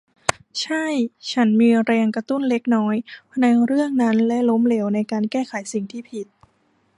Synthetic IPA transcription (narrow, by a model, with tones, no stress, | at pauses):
t͡ɕʰa˥˩jt͡ɕʰa˦˥nmiː˧ɾɛː˧ŋka˧t̪u˥˩nle˦˥k̚nɔː˦˥jpʰna˧jɾɯ˥˩əŋna˦˥nlɛ˦˥lo˦˥mle˩˦wna˧jkaː˧nkɛː˥˩kʰa˩˦jsi˨˩ŋt̪ʰiː˥˩pʰi˨˩t̪̚